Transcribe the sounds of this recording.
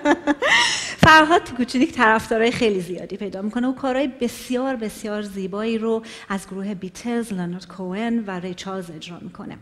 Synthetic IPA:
fæɾɦɒːd̪̚tʰekut͡ʃʰinict̪ʰæɾæfd̪ɒːɾɒːjexe̞jliːzijɒ̰ːd̪iːpʰe̞jd̪ɒːmikʰo̞neuːkʰɒːɾɒːjebe̞sijɒːɾbe̞sjɒːɾziːbɒːiːɾo | æzɡoɾuːɦe̞bit̪ʰeɾzloneɾt̪kʰoenvæɾejt͡ʃʰɑlze̞d͡ʒɾɒ̰ːmikʰo̞̰nḛ

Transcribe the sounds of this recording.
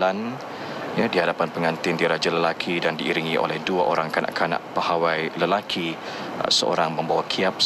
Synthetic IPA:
an | jadihadapanpəŋant̪ɪndiɾad͡ʒaləlakʰidandiiɾiŋiʔo̰lɛhduaʔoɾaŋkanã̰ʔkʰana̰ʔpahawajləlakʰi | səo̰ɾaŋmə̃mbawakʰiap̚

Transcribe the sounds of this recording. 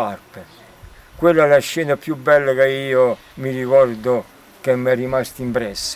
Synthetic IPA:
arpe | kwelːaɛlaʃːɛːnapjubːɛlːakeiːo | mirikɔrd̪ʊ | kemːɛrːimast̪impɾɛsː

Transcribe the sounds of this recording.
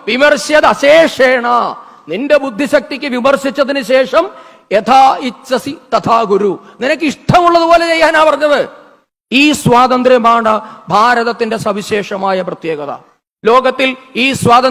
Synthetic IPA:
ʋimɐrɕjɐðɐɕeːʂeːɳaː | ninde̞bud̪ʱːiɕɐk̚t̪ikʲːɨʋimɐrɕit͡ɕːɐðinɨɕeːʂɐm | et̪ʰaːit͡ɕːɐsit̪ɐt̪ʰaːɡuɾuninɐkːɨiʂʈʰɐmuɭːɐðupo̞ːlet͡ɕe̞jːaːnaːpɐrɐɲːɐʋɨ | iːswaːt̪ɐnd̪ɾjɐmaːɳɐbʱaːɾɐðɐt̪ːinde̞sɐʋiɕeːʂɐmaːjɐprɐt̪jeːɡɐðɐ̰ | lo̞ːɡɐt̪ːiliːswaːðɐ

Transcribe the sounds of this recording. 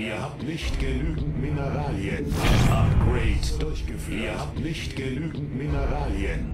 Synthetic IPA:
ʔiːɐhaːp̚tnɪçtɡ̥ənyːɡŋ̩tminəʁaːliənatʔapɡ̥ʁɛɪtd̥ʊɐçɡ̥əfyiːɐhaːp̚tnɪçtɡ̥ənyːɡŋ̩tmɪnəʁaːliən

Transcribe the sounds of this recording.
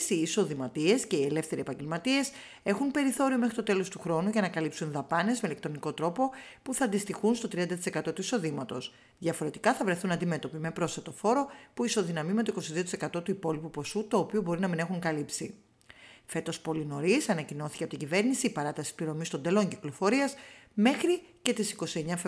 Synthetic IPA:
siːso̞ðimɐt̪ie̞sce̞ie̞le̞fθe̞ɾiepɐɲɟe̞lmɐt̪ie̞s | e̞xunpe̞ɾiθo̞ɾio̞mexɾit̪o̞t̪e̞lo̞st̪uxɾo̞nuʝɐnɐkɐlipsunðɐpɐne̞zmeile̞k̚t̪ɾo̞niko̞t̪ɾo̞po̞puθɐːnd̪ist̪ixunst̪o̞t̪ɾiɐnd̪ɐt̪i̥se̞kɐt̪o̞t̪uiso̞ðimɐt̪o̞s | ðʝɐfo̞ɾe̞t̪ikɐθɐvɾe̞θunɐnd̪ime̞t̪o̞pimepɾo̞sθet̪ofo̞ɾo̞puiso̞ðinɐmime̞t̪oiko̞siðio̞t̪i̥se̞kɐt̪o̞t̪uipo̞lipupo̞sut̪o̞ːpiubo̞ɾinɐmine̞xuŋkɐlipsi | fe̞t̪o̞spo̞lino̞ɾisɐnɐcino̞θiceɐpot̪iɟive̞ɾnisiːpɐɾɐt̪ɐsispliɾo̞mist̪o̞nd̪e̞lo̞ɲciklo̞fo̞ɾiɐsme̞xɾice̞t̪isiko̞sie̞ɲɐf

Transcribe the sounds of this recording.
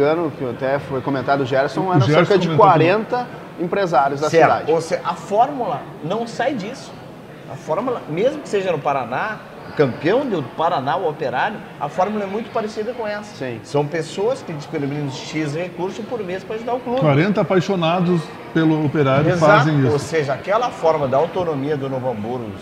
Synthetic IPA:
ɐ̃nʊkɪat̪ɛfojkomẽnt̪ad̪ʊʒɛɾsõw̃ɛɾɐ̃ʒsɛɾɾsɾkɐd͡ʒɪ̃kwaɾẽnt̪ɐ | ẽpɾezaɾjʊzd̪ɐsɛd̪a̰d͡ʒoseɐfɔɾmulɐ | nɐ̃w̃sajd͡ʒisʊ̥ | ɐ̰fɔɾmulɐmezmʊkɪ̥seʒɐnʊpaɾana | ʊkɐ̃mpiɐ̃w̃d̪ɪpaɾanaʊopeɾaɾjʊ | ɐ̰fɔɾmulɐɛmũj̃t̪ʊ̥paɾesid̪ɐkõɛsɐ̥sĩsɐ̃w̃pesoɐskɪd͡ʒɪskelminĩnʊsʃizhekuɾsʊpoɾmespɾɐeʒud̪aʊklukwaɾẽnt̪ɐapajʃonad̪ʊs | pelʊopeɾaɾjʊzfatzẽj̃isoseʒɐakɛlɐfɔɾmɐd̪awt̪onomiɐd̪ʊnovɐ̃mbuɾ̰

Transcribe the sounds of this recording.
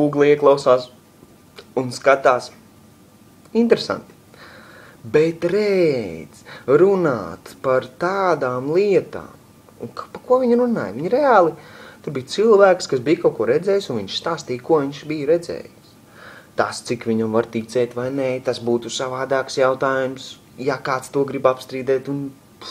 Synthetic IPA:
uːɡlˠiiɛklˠaʊsaːs | unskat̪aːs | int̪ɾesã̰nt̪i̥ | bet̪ɾɛd̪z̥ɾuna̰ːt̪paɾt̪aːd̪aːmlˠiɛt̪a̰ːm | unkpakuɔviɲɾuna̰ːjviɲɾeaːlˠit̪uɾbijt̪silˠvæːkskas̬biːjkawkuɔɾɛd̪zɛːjsunʋiɲʃst̪aːst̪iːjkuɔʋiɲʃbijɾɛd̪zɛ̰ːjs | t̪ast̪sikʋʲiɲamvaɾt̪it̪sɛːt̪ʲvajnɛt̪asbuːt̪usavaːd̪aːksjawt̪aːjums | jakaːt̪st̪uɔɡɾibapst̪ɾiːd̪ɛːt̪un

